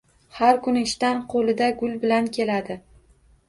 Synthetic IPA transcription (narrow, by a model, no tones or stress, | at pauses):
haɾkʊnɪɪʃt̪anqʰolɪd̪aɡʊlbɪlankʲʰe̞lad̪ɪ